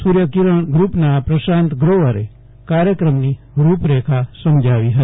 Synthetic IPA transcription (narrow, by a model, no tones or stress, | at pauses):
suɾjəkiɾəɳ̃ɡɾupnapɾəʃãnt̪ɡɾoʋəɾe | kaɾjəkɾəmni | ɾupɾekʰasəmd͡ʒʱaʋiɦət̪